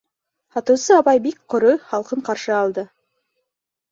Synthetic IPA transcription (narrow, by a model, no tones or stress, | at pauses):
hɑt̪ŭwsɤɑβɑjbikqʰŏɾojχɑlˠqɤɴqɑɾʃɤɑlˠd̪ɤ